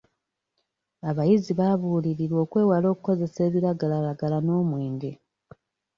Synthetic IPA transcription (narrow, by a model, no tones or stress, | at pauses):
aβajiziβaβuːliɾiɾwo̞ːkwe̞ːwalo̞ːkuko̞ze̞se̞ːβiɾaɡalalaɡalano̞ːmwe̞ːɲde